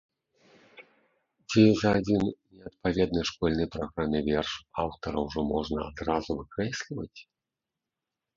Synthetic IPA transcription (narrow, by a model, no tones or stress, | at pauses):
d͡zʲezɐːd͡zʲinnʲɛɐt̪̚pavʲɛd̪̚nɐjʂkɔlʲnɨjpɾaɣɾamʲɨvʲɛrʂawt̪ɐɾɐwʐɔmɔʐnɐa̰d̪ɾazuvɨkɾɛsʲlʲivɐt͡sʲ